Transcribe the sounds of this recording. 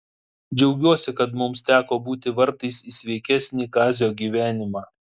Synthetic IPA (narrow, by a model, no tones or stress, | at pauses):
d͡ʒʲɛʊɡʲuɔsʲɪkɐt̪mʊmst̪ʲæːkoːbuːt̪ʲɪʋɐɾt̪ɐɪsiːsʲʋʲɛɪkʲæsʲnʲiːkɑːzʲjoːɡʲiːʋʲæːnʲɪmɑː